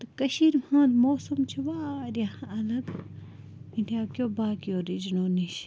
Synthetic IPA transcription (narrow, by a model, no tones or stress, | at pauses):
t̪ɐkɐʃiːɾmhãːlmoːsumt͡ʃʰiʋaːɾʲjaɐlɐɡ | ĩdijaːkjoːbaːkijoːɾid͡ʒnoːniʃ